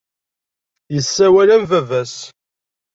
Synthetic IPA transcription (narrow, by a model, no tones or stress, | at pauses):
jəsːæwælænvævæs